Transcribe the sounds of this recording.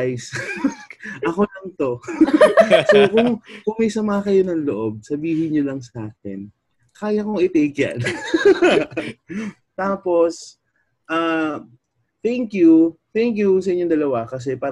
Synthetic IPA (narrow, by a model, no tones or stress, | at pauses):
js | ʔɐko̞lɐŋt̪o̞ | sokʊŋkʊŋmɐjsɐmaːkɐjo̞nɐŋloʔo̞b̚sɐbiːhɪnjolɐŋsʔaːk̚ɛ̰n | kaːjɐkoŋɪt̪ɛjkja̰n | t̪aːpos | ʔaː | t̪ɛŋkjut̪ɛŋkjusɐʔɪɲond̪ɐlɐwakɐs̬ɛpaː